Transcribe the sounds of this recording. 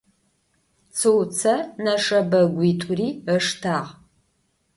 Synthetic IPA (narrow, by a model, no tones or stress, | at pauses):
t͡sʰɨwt͡sʰɐnɐʂɐbɐɡʷiːtʰʼuriːəʂtʰaːʁ